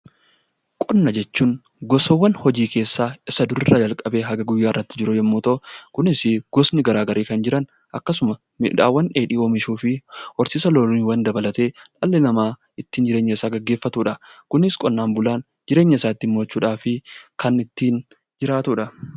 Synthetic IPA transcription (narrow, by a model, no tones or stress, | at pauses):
kʼɔnːɐd͡ʒɛt͡ʃːuːŋ | ɡɔsɔwːɐnhɔd͡ʒiːkʰe̞ːsːaːɪsɐd̪ʊɾɪrːɐd͡ʒɐlkʼɐbe̞ːɦɐɡɐɡʊjːaːɪrːɐt̪ːɪd͡ʒɪɾʊjɛmːuːt̪ɔkʊnɪsɪɡ̥ɔsnɪɡɐɾaːɡɐɾʔiːkɐnd͡ʒɪɾɐn | ʔɐkːɐsʊmɐ | mɪ̰ᶑa̰ːwːɐnᶑeːᶑiːoːmɪʃuːfɪɔɾsɪsɐloːlniːwɐnd̪ɐbɐlɐt̪e̞ːt̪ʼɐlːɛnɐmaː | ɪt̪ːiːnd͡ʒɪɾeːɲːɐɪsaːɡɐɡːe̞ːfːɐt̪uːᶑɐkʊnɪskʼɔnːaːnbʊlaːn | d͡ʒɪɾe̞ːɲːɐɪsaːt̪ːɪmːoːt͡ʃːuːᶑaːfɪkɐnɪt̪ːiːn | d͡ʒɪɾaːt̪uːᶑɐ